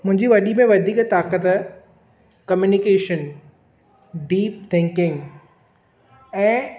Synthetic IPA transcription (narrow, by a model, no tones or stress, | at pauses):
mʊ̃ɦɪ̃ɲd͡ʑiʋɐɗimẽʋɐd̪ʱiːkt̪aːkət̪ | kɐmjunikeːʃən | ɖiːp̚t̪ʰɪ̃ŋkɪ̃ŋɡ | ɛ̃ː